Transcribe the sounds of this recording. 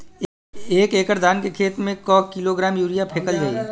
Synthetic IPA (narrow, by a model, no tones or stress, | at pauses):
eːkeːkəɾd̪ʱaːnkekʰeːt̪mẽkɔːkiloɡɾaːmjuːɾijapʰeːkəlɡəḭ